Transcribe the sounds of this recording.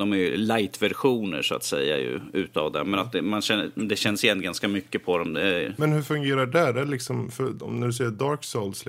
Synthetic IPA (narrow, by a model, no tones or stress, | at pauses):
d̪ɔmæɾjlajt̪væɾɧuːnə̰ɾʂʊa̰t̪sɛ̰jːa̰jɵ̰ʉ̟̰ːt̪əa̰vd̪ɛ̰mɛnat̪̚d̪ɛmanɕɛd̪ɛɕɛnːsɪjɛnɡanskamʏkːəpʰɔd̪ɔmd̪ɛæmɛnhɵɾfɵŋɡeːɾaɖæɾælɪksɔmfœɔmnæɖɵsɛjːəd̪ɑːɾksolsl